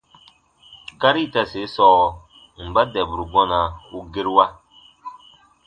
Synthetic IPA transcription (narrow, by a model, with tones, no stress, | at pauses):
ka˦ɾi˦˨ta˨se˨˦sɔː˨ | m̩˨ba˦dɛ˨bɾu˨ɡɔ˦na˨u˦ɡe˦ɾwa˦